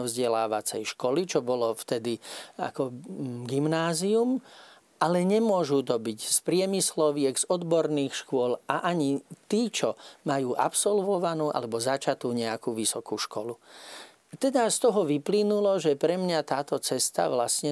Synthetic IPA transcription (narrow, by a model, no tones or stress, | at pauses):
vzɟɛlaːʋat͡sɛjʃkɔlit͡ʃɔbɔlɔft̪ɛd̪ia̰kɔɡimnaːzium | ʔalɛɲɛmʊɔʒut̪ɔbiɟspɾɪɛmislɔʋɪɛɡz̥ɔd̪bɔɾniːxʃkʊɔlaʔaɲit̪iːt͡ʃɔmajuːʔa̰psɔlʋɔʋanuːʔa̰lɛbɔzat͡ʃat̪uːɲɛakuːʋisɔkuːʃkɔlu | t̪ɛd̪ast̪ɔɦɔʋiplinulɔʒɛpɾɛmɲat̪aːt̪ɔt͡sɛst̪a̰ʋlasɲɛ